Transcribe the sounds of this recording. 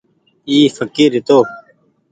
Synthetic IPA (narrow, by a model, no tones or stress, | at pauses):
iːfəkiɾit̪oː